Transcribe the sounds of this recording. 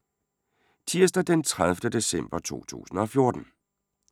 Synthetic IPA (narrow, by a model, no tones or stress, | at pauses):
t͡sʰiɐsd̥ɐd̥ent͡sʰʁaðˠfd̥əd̥e̝sem̰b̥ɐt͡sʰo̝̰ːt͡sʰṵːsn̩ɒ̽fjo̝ɐd̥n̩